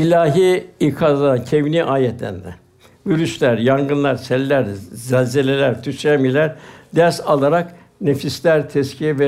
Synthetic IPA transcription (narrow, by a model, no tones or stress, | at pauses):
ilʲaːɦiikʰazlˠaancʰeviniʔaːjɛt̪lʲæ̰nd̪ɛ̰ | vyɾyʃlʲæɾjaŋɡɯnlˠaɾsælʲːæɾzælʲzelʲelʲæɾt̪ʰyʃɾæmilʲæɾd̪æɾsalˠaɾak | nefislʲæɾt̪ʰɛscʰijɛvɛ